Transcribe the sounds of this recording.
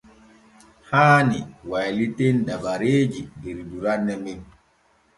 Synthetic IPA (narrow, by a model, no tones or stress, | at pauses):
haːniwajlitɛndabaɾeːd͡ʒidiɾduɾanːɛmɛn